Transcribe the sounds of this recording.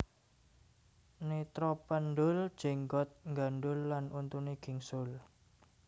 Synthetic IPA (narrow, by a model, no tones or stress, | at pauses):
nit̪ɾɔpənɖʊld̥ʒ̥eŋɡɔt̪̚ŋɡanɖʊlːanunt̪uniɡ̥i̤ŋsʊl